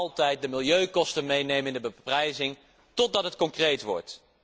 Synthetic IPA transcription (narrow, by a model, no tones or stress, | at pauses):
lˠtɛjt̚dəmɪlˠjøɥkɔstənmejnejmənɪndəbəprɛjzɪŋ | tɔd̚ɑtɦətkɔŋkrejtʋɔ̰ɹt